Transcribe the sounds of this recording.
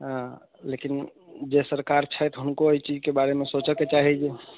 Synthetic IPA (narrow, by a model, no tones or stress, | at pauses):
lekin | d͡ʒesəɾkaɾt͡ʃʰəjt̪ɦunkoəit͡ʃid͡ʒkebaɾemesot͡ʃəket͡ʃaɦid͡ʒe